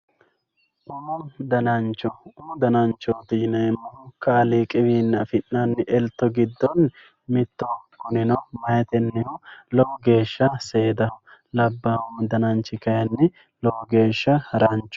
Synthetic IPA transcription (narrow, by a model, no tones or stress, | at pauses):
ʔʊmɔd̪ɐnɐnt͡ʃːɔʊmʊd̪ɐnɐnt͡ʃːɔːt̪inɐɛmːɐhʊkɐːliːkʼɪwiːnːɐfɪnːɐnːɪʔɛlt̪ːɔɡɪd̪ːɔn | mɪt̪ːɔkʊnɪnɔmɐjɛt̪ɛnːɪhʊlɔwɔɡe̞ːʃːɐseːd̪ɐhʊ | lɐbːɐʊmd̪ɐnɐnt͡ʃːɪkɐjɐnːɪ | lɔwɔɡe̞ːʃːɐhɐɾɐnt͡ʃːɔ̥